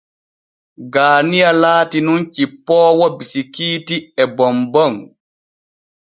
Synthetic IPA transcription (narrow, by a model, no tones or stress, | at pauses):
ɡaːnijalaːtinunt͡ʃipːɔːwɔbisikiːtiɛbɔmbɔŋ